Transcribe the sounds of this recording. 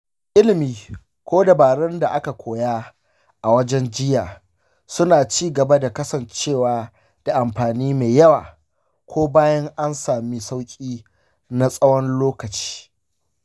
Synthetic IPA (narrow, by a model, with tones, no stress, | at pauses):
ʔɪ˦lɪ˨miː˨ | kʷoː˦dɐ˨baː˨ɽɛ˦nda˨ʔa˦ka˨kʷʰoː˨jaː˦ | ʔa˨wɐ˦d͡ʒɛ˦nd͡ʒɪ˦jaː˨ | sʊ˦naː˨t͡ʃiː˦ɡɐ˨ba˦da˨kɐ˦sɐ˨nt͡ʃeː˦˨waː˨ | d̥a˨ʔa˨mɸaː˨niː˦meː˨jɐ˦waː˨ | kʷʰoː˦baː˦jɐ˦ŋʔa˦nsaː˨mi˦sa˦wkʲʼiː˦ | na˦sʼɐ˦wɔ˦nloː˦kɐ˨t͡ʃi̥ː˦